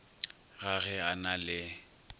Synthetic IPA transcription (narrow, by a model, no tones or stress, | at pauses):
ɣaɣɛanalɪ